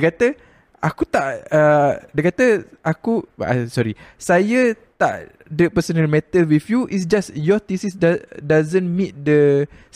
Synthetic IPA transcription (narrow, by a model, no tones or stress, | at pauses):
kat̪ə | akut̪aʔədakat̪əakua̰sɔɾisajat̪a̰ʔ | dəpəsənəlmɛt̪əlwifjuʔisd͡ʒasjɔt̪isisdadazə̃nmĩt̪̚də